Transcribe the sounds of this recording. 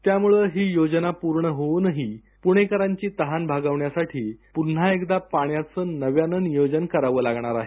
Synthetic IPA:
t̪jamuɭəɦiːjod͡ʑnapuɾɳəɦonəɦiː | puɽ̃ekəɾaɲt͡ɕiːt̪əɦanbʱaɡaʋɳjasaʈʰiːpun̤aekd̪apaɽ̃jat͡səːnəʋjanənjod͡ʑənkəɾaʋəːlaɡɳ̃aɾaɦe

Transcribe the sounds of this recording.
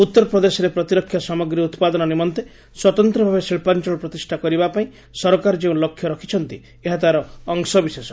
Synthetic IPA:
ut̪ːɔɾɔpɾɔd̪esɔɾepɾɔt̪iɾɔkʰːjɔsɔmɔɡɾiut̪pad̪ɔnɔnimɔnt̪e | swɔt̪ɔnt̪ɾɔbʱabesiɭpant͡ʃɔɭɔpɾɔt̪isʈʰakɔɾibapaĩ | sɔɾɔkaɾɔd͡ʒeũlɔkʰːjɔɾɔkʰi̥t͡ʃʰɔnt̪i | eɦat̪aɾɔːŋsɔbisesɔ

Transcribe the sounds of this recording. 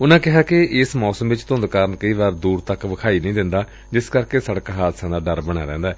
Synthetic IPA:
ʊnãːkɪɦaːkeɪsmɔːsəmʋɪt͡ʃt̪ʊ̃nd̪kaːɾənkəiːʋaːɾd̪uːɾt̪əkʋəkʰaːiːnəĩːd̪ɪnd̪aː | d͡ʒɪskəɾkeːsəɽkaːɦaːd̪sãːd̪aːɖəɾbəɽ̃aːɾɛ̰̃ːnd̪aːɛː

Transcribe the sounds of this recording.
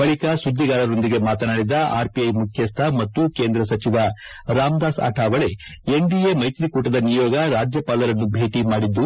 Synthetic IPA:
bɐɭikɐsud̪ʱːiɡaːɾɐɾo̞nd̪iɡe̞maːt̪ɐnaːɽid̪ɐʔa̰ːɾpiɐjmukʰjɐst̪ʰɐmɐt̪ːuke̞ːnd̪ɾɐsɐt͡ʃiʋɐ | ɾaːmɡ̪aːsa̰ːʈʰaːʋɐɭe̞ | eɳɖiemɐjt̪ɾikuːʈɐd̪ɐnijɔːɡɐɾaːd͡ʒjɐpaːlɐɾɐnːubʱe̞ːʈimaːɽid̪ːu

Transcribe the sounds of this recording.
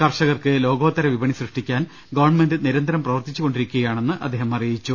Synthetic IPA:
kɐrʂɐɣɐrkɨlo̞ːɡoːt̪ːɐɾɐʋibɐɳisrɨʂʈikʲːaːn | ɡɐʋɐɳmendɨniɾɐnd̪ʱɐɾɐmprɐʋɐrt̪it͡ɕːuɣo̞ɳɖiɾikʲːuɣɐjaːɳe̞nːɨʔɐ̰d̪ːeːɦɐmɐrijit͡ɕːu

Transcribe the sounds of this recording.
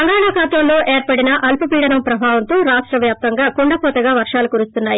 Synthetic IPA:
ɐŋɡaːɳaːkaːt̪ɐlːo̞ːʔeːɾpɐɽinɐʔɐlpɐpiːɽɐnɐmpɾɐbʱaːʋɐnt̪oːɾaːʂʈɾɐʋjaːp̚t̪ɐŋɡaːkuɳɖɐpɔːt̪ɐɡaːʋɐɾʂaːlukuɾust̪unːaːji

